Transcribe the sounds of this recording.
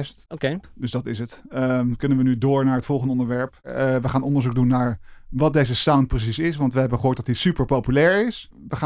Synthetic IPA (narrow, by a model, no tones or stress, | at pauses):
stokedɵsdɑtɪsətəkɵnənʋənydʊːɹnaːɹɦətfɔlˠχəndəɔndəɹʋɛɹpʋəχaːnɔndəɹzuk̚dunːaːɹʋɑt̚dejzəsawnt̚prəs̬isɪsʋɑntʋəɦɛbənχəɦʊːɹt̚dɑtisypəɹpowpylɛːɹɪs | ʋəχa